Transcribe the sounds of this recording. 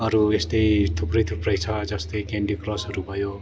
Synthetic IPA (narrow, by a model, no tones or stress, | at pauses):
ʌɾuest̪ʌjt̪ʰuprʌjt̪ʰuprʌjt͡sʰʌd͡zʌst̪ʌjkeɳɖikrʌsʌɾubʱʌjo